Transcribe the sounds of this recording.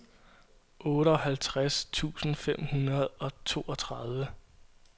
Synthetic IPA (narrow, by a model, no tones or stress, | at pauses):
ʔɔ̽ːɾəɒhælt͡sʰʁast͡sʰṵːsn̩fem̰hunɐð̞ˠɒ̽t͡sʰo̝ːɒ̽t͡sʰʁɑð̞ˠʋə